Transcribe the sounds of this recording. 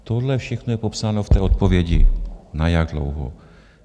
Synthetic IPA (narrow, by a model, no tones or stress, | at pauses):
t̪odlɛfʃɛxnojɛpopsaːno̞ft̪ɛːʔot̪̚povjɛɟɪ̰najaɡ̚dlo̰wɦo̰